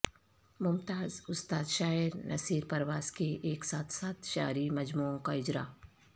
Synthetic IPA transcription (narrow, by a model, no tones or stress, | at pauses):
mʊmt̪aːzʊst̪aːd̪ʃaːɪɾnɐ̰siːɾpɐɾʋaːskeʔeːksaːt̪ʰsaːt̪ʃa̰ːɾimɐd͡ʒmuːõkaɪd͡ʒɾa̰ː